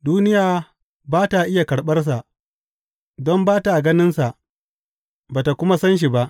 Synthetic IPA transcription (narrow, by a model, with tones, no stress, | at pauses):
duː˦nɪ˦jaː˨ | baː˦ta˨ʔɪ˦ja˨kɐ˨ɽɓɐ˦rs̬a˨ʔ | dɔ˦mbaː˦ta˨ɡɐ˦nɪ˦nsa˨ʔ | baː˨ta˨kʷʊ˦ma˦sɐ˦nʃ̬i˨ba˦ʔ